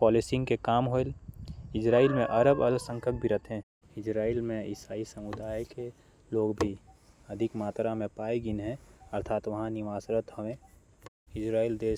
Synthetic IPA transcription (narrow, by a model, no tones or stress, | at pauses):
pɔːlɪsɪ̃ŋɡkekaːmɦoelɪd͡ʒɾaːilmẽʔɐɾəbɐlsə̃ŋkʰək̚bʱiɾət̪ʰɦẽ | ɪd͡ʒɾaːilmẽɪsaːisəmud̪aːjke | loːɡbʱiɐd̪ʱɪkmaːt̪ɾamẽpaːiɡɪnɦɛ̃ɐɾt̪ʰaːt̪ʋɐɦãniʋaːsɾət̪hɐʋẽ | ɪd͡ʒɾaːild̪eː